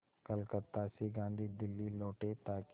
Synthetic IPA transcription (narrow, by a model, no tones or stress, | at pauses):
kəlkət̪ːaːsiɡãːnd̪ʱid̪ɪlːiloːʈet̪aːk